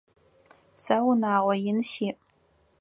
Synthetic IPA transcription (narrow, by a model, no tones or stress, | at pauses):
sɐwnaːʁʷɔjɪnʃiːʔ